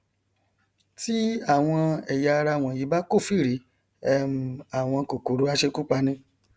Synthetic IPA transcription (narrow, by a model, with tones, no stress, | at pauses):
ti˦a˦˨w̃ɔ̃˧ɛ˨ja˧ɾa˧˦˨w̃ɔ̃˨ji˨˦ba˦ko˦˨fi˦˨ɾi˨˦ | ɛ˦mu˨a˨w̃ɔ̃˧ko˨ko˨˦ɾo˨˦a˦ʃe˧ku˦k͡pa˧nĩ˧